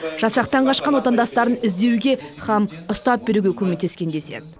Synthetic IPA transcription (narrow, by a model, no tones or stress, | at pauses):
ʒ̥ɑsɑq̚t̪ɑɴʁɑʃqɑnwo̞t̪ɑnd̪ɑst̪ɑɾənɪzd̪e̞wɡʲe̞χɑmʊst̪ɑp̚be̞ɾuɡʲekʲʰɵmek̚t̪e̞skʲe̞nd̪e̞se̞̰d̪ɪ